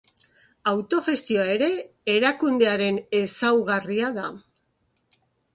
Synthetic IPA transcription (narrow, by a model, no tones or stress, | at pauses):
awt̪o̞ʝe̞st̪io̞ae̞ɾe̞ː | ɾakund̪e̞aɾe̞ne̞sawɣariaða